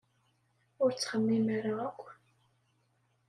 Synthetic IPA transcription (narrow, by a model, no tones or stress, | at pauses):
ʊɾt͡sːχəmːimæɾaækʷː